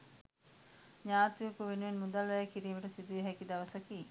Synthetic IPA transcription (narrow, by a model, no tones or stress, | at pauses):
ɲaːt̪ujɐkuʋenuʋenmud̪alʋæjakiɾiːmɐʈɐsid̪uʋeɦɛkid̪ɐʋɐsɐkiː